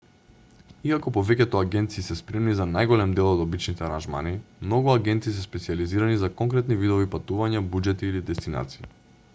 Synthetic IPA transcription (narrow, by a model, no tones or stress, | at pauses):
iakɔpɔvɛcɛt̪ɔaɡʲɛnt̪siːsɛspɾɛmnizanajɡɔlɛmd̪ɛlˠɔd̪abit͡ʃnit̪ɛaɾanʒma̰nimnɔɡuaɡɛnt̪iːsɛspɛt̪sializiɾanizakɔŋkɾɛt̪nivid̪ɔvipat̪uvaɲabud͡ʒɛt̪iːlid̪ɛst̪ina̰t̪si̥i